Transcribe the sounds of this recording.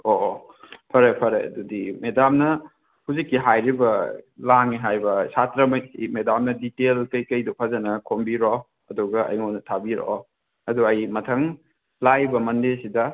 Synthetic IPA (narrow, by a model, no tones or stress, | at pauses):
o | pʰɐɾepʰɐɾḛjɐ̰dudimedamnɐ | huzikːiɦajɾibɐlaŋiɦajbɐsatɾɐmɐjimedamnɐditelkɐjkɐjdɔpʰɐzɐnɐkʰombiɾɔ | ɐduɡɐɐ̰jŋonɐtʰabiɾɔ̰ | ɐduɐjmɐtʰɐŋ | lajbɐmɐndesidɐ